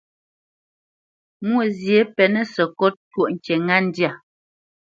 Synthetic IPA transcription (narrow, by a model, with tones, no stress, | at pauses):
mwo˨zje˨˦pɛ˨nɛ˦sɛ˨kɔ˦ttwo˦ʔŋ̩˨t͡ʃɛ˨ŋa˦n̩˦dja˦˨